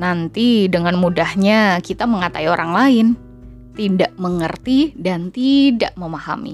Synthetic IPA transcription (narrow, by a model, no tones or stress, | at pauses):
nant̪idəŋanmudahɲakit̪aməŋat̪aioɾaŋlaɪn | t̪idaʔməŋərt̪idant̪idaʔməmaha̰mḭ